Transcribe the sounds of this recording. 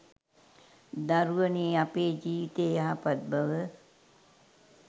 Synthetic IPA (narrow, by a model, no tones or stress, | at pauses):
d̪aɾuʋəneːapeːd͡ʒiːʋit̪eːjaɦapat̪̚baʋə